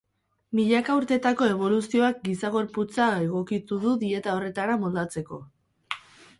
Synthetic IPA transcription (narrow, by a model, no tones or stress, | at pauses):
miʎakauɾt̪e̞t̪ako̞e̞β̞o̞lusio̞ak̚ɡisaɣ̞o̞ɾput͡sae̞ɣ̞o̞kit̪uðuðie̞t̪ao̞re̞t̪aɾamold̪at͡se̞ko̞